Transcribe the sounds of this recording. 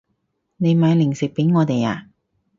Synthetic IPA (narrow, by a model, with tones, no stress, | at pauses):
ne˨˧jmaː˨˧jlɪ˨˩ŋsɪ˨k̚pe˨˥jŋɔː˨˧t̪e˨ja̰ː˧